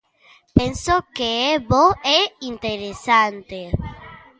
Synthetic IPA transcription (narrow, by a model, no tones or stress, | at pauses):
pensokeeboɛint̪eɾesant̪e